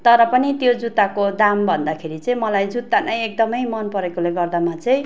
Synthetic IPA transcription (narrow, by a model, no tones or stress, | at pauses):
t̪ʌɾʌpʌnit̪jod͡zut̪ːakod̪ambʱʌnd̪akʰeɾit͡sʌĩmʌlajd͡zut̪ːanʌjek̚d̪ʌmʌjmʌnpʌɾekoleɡʌrd̪amat͡sʌj̃